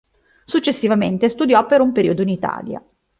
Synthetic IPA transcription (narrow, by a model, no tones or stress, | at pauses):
sut͡ʃːesːivament̪est̪ud̪jɔpːeɾumpeɾḭːod̪oinit̪a̰ːlja̰